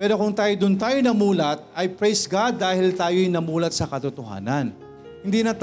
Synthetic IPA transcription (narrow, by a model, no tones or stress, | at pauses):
pɛːɾo̞kʊŋt̪aːjod̪ʊnt̪aːjonɐmuːlɐt̪̚ʔɐjpɹejsɡad̪ːaːhɪlt̪aːjojnɐmuːlɐt̪̚sɐkɐt̪ʊt̪oha̰ːnɐn | hɪnd̪iːnɐt̪